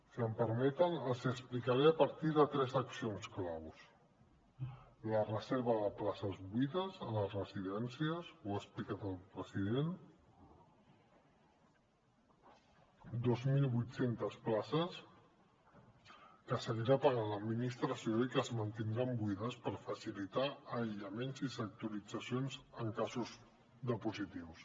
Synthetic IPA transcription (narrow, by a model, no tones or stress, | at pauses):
siəmpəɾmɛt̪ənəzəsplikaɾeəpəɾt̪iðət̪ɾɛzəksionsklaws | lərəzeɾβəðəplasəzβwiðəzələzrəziðɛnsiəswəsplikat̪əlˠpɾəziðen | d̪ozmilˠβujt̪sent̪əsplasəs | kəsəɣiɾapaɣaləd̪minist̪ɾəsioikəzmənt̪ind̪ɾambuiðəspəɾfəsilit̪aːjʎəmenzisək̚t̪uɾid͡zəsijonzəŋkazuz | d̪əpuzit̪iws